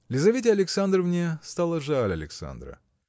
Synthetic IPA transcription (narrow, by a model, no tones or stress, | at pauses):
lʲɪzɐvʲetʲɪɐlʲɪksand̪rəvnʲest̪alˠəʐalʲɐ̰lʲɪ̰ksa̰nd̪ɾə̰